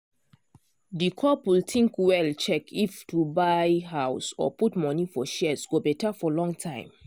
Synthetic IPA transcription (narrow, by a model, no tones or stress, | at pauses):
dikʰɔpwiltʰĩŋkwɛlt͡ʃɛkʰiftʰubajɦaʊsɔ̰putmɔnifɔʃɛsɡobɛtʰafɔlɔ̃ŋtʰãɪ̃m